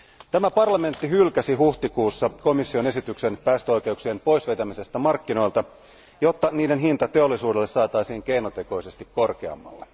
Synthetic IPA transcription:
t̪æmæpɑrlɑme̞nt̪ːiɦylkæsiɦuht̪ikuːsːɑko̞misːio̞ne̞sit̪ykse̞npæːst̪øojk̟e̞uksie̞npo̞jsʋejt̪æmise̞st̪æmɑrkːino̞jlt̪ɑ | jo̞t̪ːɑniːde̞nɦint̪ɑt̪e̞o̞lːisuːdelːe̞sɑːt̪ɑjsiːŋke̞jnot̪e̞ko̞jse̞st̪ikkːo̞rke̞ɑ̰mːɑ̰lːe

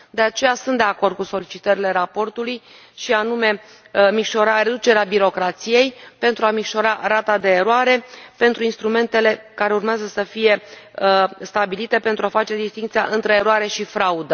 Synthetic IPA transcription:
d̪e̞at͡ʃe̞jasunt̪d̪e̞ako̞rd̪̚kuso̞lit͡ʃit̪əɾile̞ɾapo̞rt̪uluj | ʃianume̞ | mikʃo̞ɾaɾed̪ut͡ʃe̞ɾeabiɾo̞kɾat̪sije̞jpe̞nt̪ɾuamikʃo̞ɾaɾat̪ad̪e̞ːɾoaɾe̞pe̞nt̪ɾuinst̪ɾume̞nt̪e̞le̞kaɾe̞urmeazəsəfije̞ | st̪abilit̪e̞pe̞nt̪ɾuafat͡ʃe̞d̪ist̪iŋkt̪sija̰ʔɨnt̪ɾe̞ːɾoaɾe̞ʃifɾaud̪ə

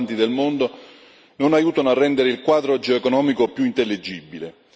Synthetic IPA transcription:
nt̪id̪elmond̪o | nonajuːt̪anoarːɛnd̪eɾeilkwaːd̪ɾod͡ʒeoekonɔːmikopjuint̪elːid͡ʒːibːile

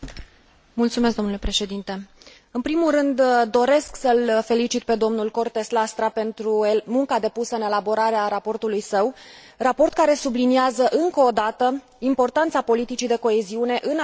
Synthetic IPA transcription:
mult̪sumeskd̪o̞nule̞pɾe̞ʃe̞d̪int̪e̞ | ɨnpɾimulrɨnd̪d̪o̞ɾe̞sksəlfe̞lit͡ʃit̪̚pe̞d̪o̞mnulko̞rt̪e̞slast̪ɾape̞nt̪ɾuemuŋkad̪e̞pusəɨne̞labo̞ɾaɾeaɾapo̞rt̪ulujsəw | rapo̞rt̪̚kaɾe̞subliniazəʔɨŋkoːd̪at̪ə | impo̞rt̪ant̪sapo̞lit̪it͡ʃid̪e̞ko̞e̞ziune̞ʔɨn

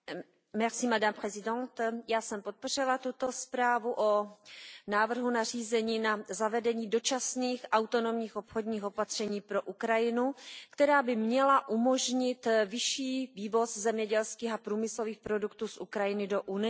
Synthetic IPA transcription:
mɛʁsimadamprɛzɪdont̪jaːsɛmpot̪̚po̞r̝ɪlat̪ut̪ospɾaːvuʔo | naːvr̩ɦunar̝iːzɛɲiːnazavɛdɛɲiːdo̞t͡ʃasniːxʔawt̪o̞no̞mɲiːxopxodɲiːxo̞pat̪r̝̥ɛɲiːpɾo̞ʔukɾajɪnukt̪ɛɾaːbɪmɲɛlaʔumo̞ʒɲɪt̪vɪʃiːviːvo̞szɛmɲɛɟɛlskiːxapɾuːmɪslo̞viːxpɾo̞dukt̪uːsʔukɾajɪnɪdoʔunɪ

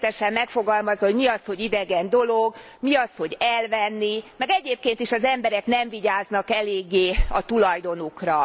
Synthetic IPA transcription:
t̪ɛʃɛmːɛkfo̞ɡɒlmɒzɦoɟmiɒsho̞ɟid̪ɛɡɛnd̪o̞lo̞ɡ | miɒsho̞ɟɛlvɛnːimɛɡɛɟeːp̚keːnt̪iʃɒzɛmbɛɾɛknɛɱviɟaːznɒkɛleːɡːeːɒt̪ulɒjd̪o̞nukrɒ

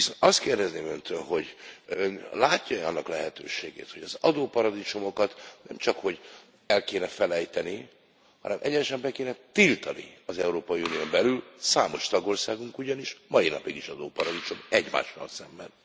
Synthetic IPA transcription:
isonɒst̪keːrd̪ɛzneːmønt̪ʰønɦo̞ɟønlaːcːɒɛɒnːɒklɛɦɛt̪ø̰ːʃeːɡḛːt̪ho̞ɟɒzɒd̪oːpɒɾɒd̪it͡ʃomo̞kɒt̪nɛmt͡ʃɒkho̞ɟ | ɛlkeːnɛfɛlɛjt̪ɛni | hɒ̰nɛmʔɛɟɛnɛʃɛmbɛkeːnɛt̪ilt̪ɒnḭɒzɛuɾoːpɒiunijombɛlylsaːmo̞ʃt̪ɒɡo̞rsaːɡuŋkuɟɒniʃmɒinɒpiɡiʃɒd̪oːpɒɾɒd̪it͡ʃomɛɟma̰ːʃʋɒ̰lsɛmbɛn

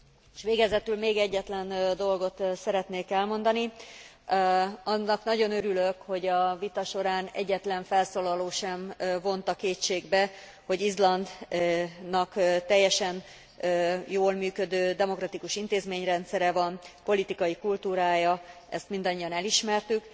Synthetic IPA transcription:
eʃʋeːɡɛzɛt̪ylmeːɡɛɟːɛt̪lɛnd̪o̞lɡo̞t̪sɛɾɛt̪neːkɛlmo̞nd̪ɒni | ɒnːɒknɒɟo̞nøɾyløkho̞ɟɒvit̪ɒʃo̞ɾaːnɛ̰ɟːɛt̪lɛɱfɛlsoːlɒloːʃɛmvo̞nt̪ɒkeːt͡ʃeːɡbɛ | ho̞ɟizlɒnd̪ | nɒkt̪ɛjːɛʃɛnː | joːlmyːkød̪øːd̪ɛmo̞krɒt̪ikuʃint̪eːzmeːɲrɛnt̪sɛɾɛvɒnpo̞lit̪ikɒjikult̪uːɾaːjɒ | ɛ̰st̪mind̪ɒɲːiɒnɛliʃmɛrt̪yk

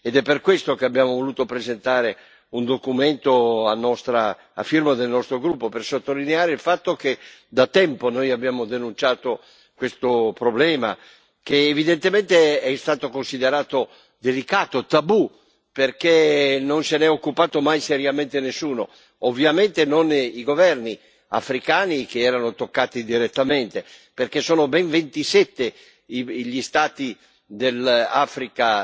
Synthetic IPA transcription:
ed̪ɛpːerkwest̪okeabjaːmovoluːt̪opɾezent̪aːɾe | und̪okument̪oanːɔst̪ɾa | a̰firmad̪elnɔst̪ɾoɡɾupːopersot̪ːolineaːɾeilfat̪ːoked̪at̪ɛmponojabjaːmod̪enunt͡ʃaːt̪o | kwest̪opɾoblɛːma̰ | k̟eːvid̪ent̪emɛnt̪eɛst̪aːt̪okonsid̪eɾaːt̪o | d̪elikaːt̪ot̪abu | perkenonsenɛokːupaːt̪omajseɾjament̪enesːuːno̰ | ovːjament̪enoniɡovɛrni | a̰fɾikaːnikeɛːɾanot̪okːaːt̪id̪iɾet̪ːament̪eperkesːoːnobɛɱvent̪isɛt̪ːe | iʎist̪aːt̪i | d̪elaːfɾika

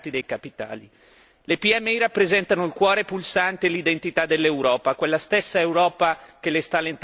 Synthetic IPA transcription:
t̪id̪ejkapit̪a̰ːli | lepiɛmːeiɾapːɾezɛnt̪anoilkwɔːɾepulsant̪elid̪ent̪it̪ad̪elːewɾɔːpakwelːast̪esːaewɾɔːpak̟elest̪alːent̪

